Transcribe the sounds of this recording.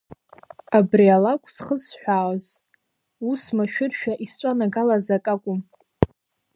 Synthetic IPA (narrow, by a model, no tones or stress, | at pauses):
abrialakʷʼsχəsħᶣʷaːwz | usmaʃᶣʊrʃᶣaʔist͡ʃʷʼanaɡalazakʼakʷʼʊm